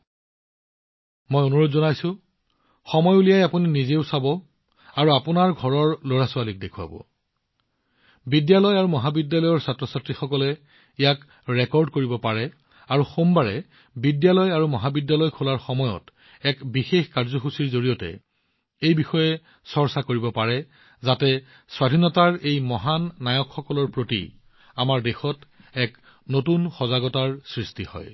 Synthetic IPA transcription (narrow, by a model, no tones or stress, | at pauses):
mojonuɹotzɔnajsʊ̃ | xɔmɔjulijajapuninizeʊsabɔ | aɹuapʊnaɹɡʱɔɹɔɹloɹasʊalik̚dekʰua̰bɔ̰ | bidjalɔjaɹumɔɦabidjalɔjɔɹsatɹɔsatɹixɔkɔlɛ | ejak | ɹɛkɔɹdkoɹibɔpaɹɛ | aɹuxombaɹɛ̰ | bidjalɔjaɹumɔɦabidjalɔjkʰulaɹxɔmɔjɔ̰t | ɛkbixexkaɹzɔxusiɹzoɹijɔtɛ̰ | ejbixɔjɛ | sɔɹsakoɹibɔpaɹɛ | zatɛ | swadʱinɔtaɹejmɔɦanːajɔkxɔkɔlɔɹpɹotḭ | amaɹdexɔt | ɛk | notunxɔzaɡɔtaɹsɹistihɔ̰j